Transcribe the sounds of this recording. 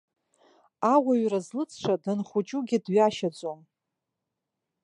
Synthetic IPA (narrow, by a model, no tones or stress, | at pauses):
awaɥrazlɨt͡sʰʂʰʷadɨnχʷut͡ʃʼuɡʲɪdɥaʃad͡zʼom